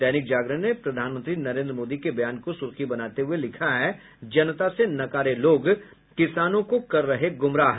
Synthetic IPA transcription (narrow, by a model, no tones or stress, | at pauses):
ɛːnɪk̚d͡ʒaːɡɾənepɾɐd̪ʱaːnmə̃nt̪ɾinɐɾẽːnd̪ɾəmoːd̪ikebɐjaːnkosʊɾkʰibɐnaːt̪eɦuelɪkʰaɦɛ | d͡ʒɐnt̪asenɐkaːɾeloːɡ | kɪsaːnõkokɐɾːɐɦeɡʊmɾaːɦ